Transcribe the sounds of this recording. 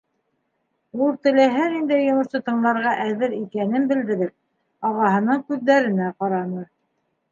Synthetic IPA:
ulˠt̪ɘ̆læɦæɾind̪æjːŏmɤ̆ɾsɤt̪ɤ̆ɴlˠɑɾʁɑʔæðɘɾikænɘnbɘ̆ld̪ɘ̆ɾɘɾ | ɑʁɑhɤ̆nɤɴkʉðːæɾɘ̆næqɑɾɑnɤɾ

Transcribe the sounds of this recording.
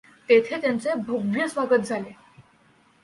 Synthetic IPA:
t̪et̪ʰet̪jant͡sebʱoɡʋjəsʋaɡət̪̚d͡zʱale

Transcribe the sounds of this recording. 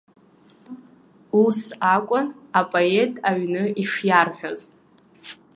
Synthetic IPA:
usakʷʼʊnapʼoe̞tʼaɥnɨiʂjarħᶣaz̥

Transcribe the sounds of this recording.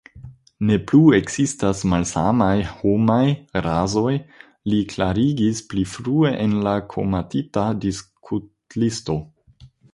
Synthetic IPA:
ne̞plue̞kz̥istasmalsa̰majho̞majɾazo̞j | liklaɾiɡisplifɾue̞ʔenlakʰo̞̰matitadiskʰut | listo̞

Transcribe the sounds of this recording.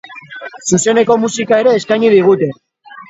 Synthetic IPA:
suse̞ne̞ko̞musikae̞ɾe̞ːskajɲiðiɣ̞ut̪e̞

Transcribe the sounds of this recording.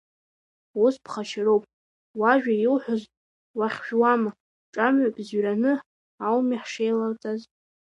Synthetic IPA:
uspʰχaʃɪrowpʼ | waʒᶣajilħʷᶣʊz | waχʲʒᶣwama | ʈ͡ʂʼamɥapʼzɥranɨ | awmiħʂejlart͡sʼaz

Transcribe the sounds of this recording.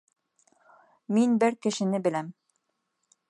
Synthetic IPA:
minbɘɾkɘ̆ʃɘ̆nɘbɘ̆læm

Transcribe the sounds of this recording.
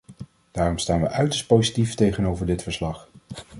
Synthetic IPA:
d̥aːrɔmstaːnʋəʔœɥtəɹst̚powzitiftejχənowvəɹdɪtfəɹslɑχ

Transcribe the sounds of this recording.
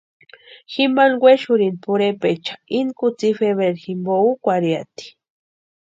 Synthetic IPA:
ximanɡweʃuɾinpuɾepet͡ʃḁinkut͡sifeβeɾximboukʷaɾjat̪i̥

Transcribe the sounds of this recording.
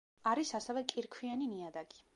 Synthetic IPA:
aɾisasɛvɛkʼiɾkʰwianiniad̪aɡi̥

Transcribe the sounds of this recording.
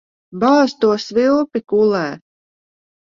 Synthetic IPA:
bɑːst̪uɔsvilˠpikulˠɛː

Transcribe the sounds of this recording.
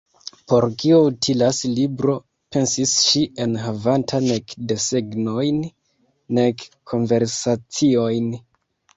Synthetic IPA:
po̞ɾkio̞utʰilaslibɾo̞ | pe̞nsisʃiʔe̞nɦavantʰane̞kde̞se̞ɡno̞jnː | e̞kkʰːo̞nve̞ɾsat͡sio̞jn

